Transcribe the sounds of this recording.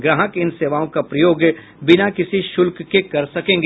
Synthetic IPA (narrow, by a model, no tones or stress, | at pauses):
ɡɾəɦəkɪnseːʋaːõkapɾɐjoːɡ | bɪnakɪsiʃʊlkːekɐɾsɐkẽːŋɡ